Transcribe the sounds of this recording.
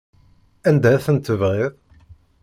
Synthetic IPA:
ænd̪æθənt̪əvʁeðˤ

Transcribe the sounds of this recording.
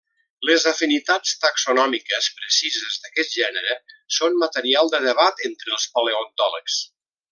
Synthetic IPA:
ləzəfinit̪at͡st̪aksunɔmikəspɾəsizəzðəkɛt̪̚ʒɛnəɾəsonmət̪əɾialˠd̪əðəβat̪ent̪ɾəlˠspaleont̪ɔləks

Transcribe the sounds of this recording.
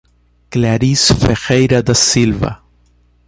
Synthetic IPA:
klaɾisfexejɾad̪asilva̰

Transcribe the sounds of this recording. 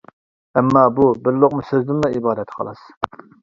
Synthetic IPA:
ɛmːɑːbubɪɾlˠoqmusøzd̪ɪnlˠɑibɑːd̪ɛt̪qʰɑ̰lˠɑ̰s

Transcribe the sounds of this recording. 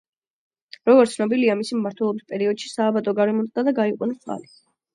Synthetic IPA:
ɾɔɡɔɾt̪sʰnɔbiliamisimmaɾt̪ʰwɛlˠɔbispʼɛɾiɔd̪ʃi̥saːbat̪ʼɔɡaɾɛmɔt̪sʼd̪ad̪aɡaiqʼṵnisa̰li

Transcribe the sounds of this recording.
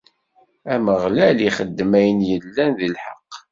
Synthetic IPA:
æməʁlæliχəd̪ːmæjənjəlːænðilħə̰qː

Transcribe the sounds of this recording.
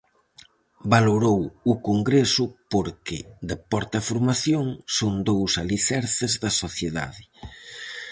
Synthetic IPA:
baloɾowʊkoŋɡɾesʊpoɾkɪd̪epɔɾt̪ɐfoɾmaθjoŋsoŋd̪owsaliθɛɾθɪzðɐsoθjeða̰ðɪ

